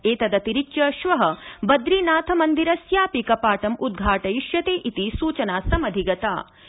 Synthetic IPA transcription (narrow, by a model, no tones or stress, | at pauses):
eːt̪ɐd̪ɐt̪iɾit͡ʃjɐʃʋɐɦɐbɐd̪ɾiːnaːt̪ʰɐmɐnd̪iɾɐsjaːpikɐpaːʈɐmud̪̚ɡʱaːʈɐjiʃjɐt̪eːʔit̪isuːt͡ʃɐnaːsɐmɐd̪ʱiɡɐt̪a̰ː